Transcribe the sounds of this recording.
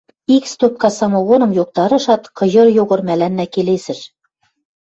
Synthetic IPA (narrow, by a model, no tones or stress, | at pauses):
ikst̪op̚kɑsɑmowonɤ̆mjoq̚t̪ɑɾɤ̆ʃɑt̪qɤ̆ʑɤ̆ɾjoʁɤ̆ɾmælænːækelesɘ̆ʃ